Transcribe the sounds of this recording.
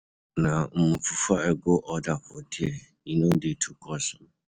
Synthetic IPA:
nãm̩mũfufaɛɡoʔɔdaɸʊdɪɛ | ĩnõdetʰukʰɔsʊm

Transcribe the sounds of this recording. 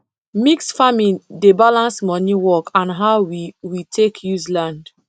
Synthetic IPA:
miksfamĩndebalãnsmɔniwɔkãnɦaʊwiwitʰekʰjuzlãnd

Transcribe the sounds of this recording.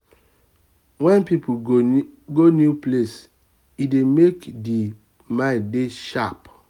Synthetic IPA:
wɛ̃npip | ɡonjuples | idemekdi | mãdeʃap

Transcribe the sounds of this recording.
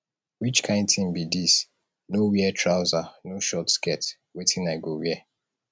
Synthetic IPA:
wit͡ʃkʰãɪ̃ndtĩmbidis | nowɛtʰɹaʊzanoʃɔtskɛt | wetʰĩnaɪɡowɛ

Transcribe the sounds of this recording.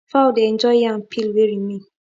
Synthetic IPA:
fawdɛnd͡ʒɔɪjãm̩pʰilweɾimi

